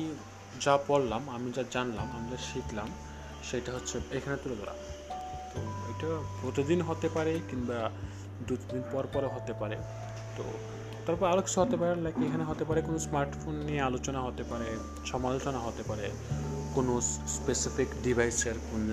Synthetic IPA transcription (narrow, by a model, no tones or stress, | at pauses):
d͡ʑapɔllamamid͡ʑad͡ʑanlamamɾaʃiklam | ʃejʈaɦotːɕʰeekʰanet̪uled̪ʱɔɾa̰t̪oejʈapɾot̪id̪inɦot̪epaɾekinba | d̪ut̪d̪inpɔɾpɔɾeɦot̪epaɾḛ | t̪o̰ | t̪aɾpɔɾaɾoki̥t͡ɕʰuɦot̪epaɾenlajkeekʰaneɦot̪epaɾekonosmaɾʈfʰonːijealot͡ɕonaɦot̪epaɾe | ʃɔmalot͡ɕonaɦot̪epaɾe | konosspesifikɖibʱajseɾkun